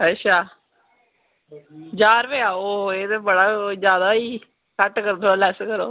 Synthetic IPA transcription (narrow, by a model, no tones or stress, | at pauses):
ɦəʃaː | d͡ʒaːɾʋeːaːoːeːt̪eːbəɽaːd͡ʒjaːd̪aːiː | kəʈkəɾd̪oaːlɛːskəɾo̰ː